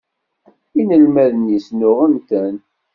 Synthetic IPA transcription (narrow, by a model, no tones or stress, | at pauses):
inəlmæðənisnʊʁənt̪æn